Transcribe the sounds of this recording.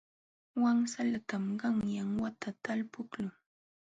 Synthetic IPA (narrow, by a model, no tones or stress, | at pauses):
waŋsalat̪amɢɑŋjaŋwat̪ʰat̪alpʊklʊŋ